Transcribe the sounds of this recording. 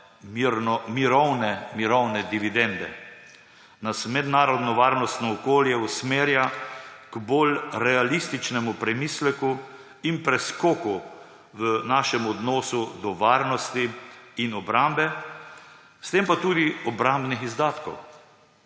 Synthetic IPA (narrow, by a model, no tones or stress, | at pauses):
miɾnɔmiɾɔwnɛmiɾɔwnɛd̪iʋid̪ɛnd̪ɛ̰ | nasmɛd̪naːɾɔd̪nɔʋaːɾnɔst̪nɔːkoːljɛusmeːɾjakbolɾɛalist̪it͡ʃnɛmupɾɛmiːslɛku | inpɾɛskoːku | ʋənaːʃɛmɔd̪nɔːsud̪ɔʋaːɾnɔst̪iːnɔbɾambɛ | st̪empat̪uːd̪iɔbɾambnixizd̪aːt̪kɔ̰w